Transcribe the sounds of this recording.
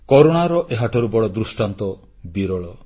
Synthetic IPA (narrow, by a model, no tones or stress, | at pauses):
kɔɾoɽ̃aɾɔʔeɦaʈʰɔɾubɔɽɔd̪ɾusʈant̪ɔ | biɾɔɭɔ